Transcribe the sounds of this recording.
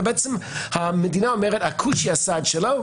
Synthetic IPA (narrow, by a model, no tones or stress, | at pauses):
bɛɛt͡səmhaməd̪inaɔmɛʁəthakʰuʃiasadʃɛloʊ